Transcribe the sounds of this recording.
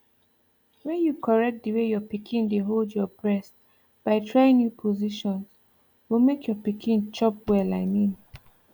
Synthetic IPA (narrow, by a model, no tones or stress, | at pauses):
wɛ̃njukʰɔɹɛk̚t̚dəwejɔpikʰĩndeɦoldjɔbɹɛs | b̥aɪtʰɹaĩŋnjupʰɔziʃɔ̃ns | wilmekʰjɔpikʰĩnt͡ʃɔp̚wɛlaɪmĩn